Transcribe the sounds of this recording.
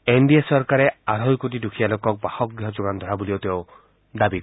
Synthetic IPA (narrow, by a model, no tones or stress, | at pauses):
enɖiasɔɾkaɾeaɾʱɔjkoʈ̬idukʰialokɔk̚bahɔk̚ɡɾiɦɔd͡ʒoɡand̪ʱɔɾabuliot̪eo | d̪abik